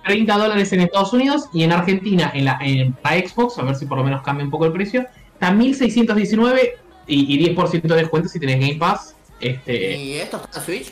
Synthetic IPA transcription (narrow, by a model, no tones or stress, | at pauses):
t̪ɾejnt̪aðo̞laɾe̞se̞nest̪að̞o̞sunið̞o̞sienaɾxe̞nt̪inaʔenlaʔenpɾaeksβoksaβeɾsip̬o̞ɾlo̞me̞nohkambjaump̬o̞koelpɾe̞sjo̞ | ht̪amilsejsjent̪oðje̞s̬inwe̞β̞e̞ | iːðje̞hpo̞ɾs̬jent̪oðehkwent̪asit̪e̞ne̞zɣajmpas | est̪ḛet̪ost̪aeswit͡ʃ